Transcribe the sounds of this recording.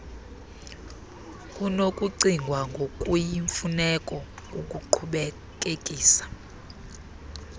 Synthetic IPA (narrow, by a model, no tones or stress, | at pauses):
kʼunokʼuǀiŋɡʱwaŋɡʱokʼujiɱfunɛkʼɔokʼuǃʰuɓɛ | k̬ʼekʼiːsḁ